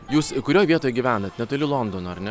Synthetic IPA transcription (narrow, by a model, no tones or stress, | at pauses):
juːskʊɾʲoːjʋʲiɛt̪oːjɛɡʲiːʋʲæːnɐt̪ʲnʲɛt̪ʊlʲɪlˠɔnd̪oːnoɐɾnʲɛ